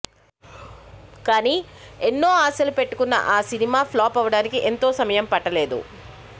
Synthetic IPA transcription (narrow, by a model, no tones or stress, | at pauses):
kaːniːenːo̞ːaːsɐlupe̞ʈːukunːɐ̰ʔaːsinimaːpʰlaːpɐʋɐɽaːnikiʔe̞nt̪o̞ːsɐmɐjɐmpɐʈːɐle̞ːd̪ṵ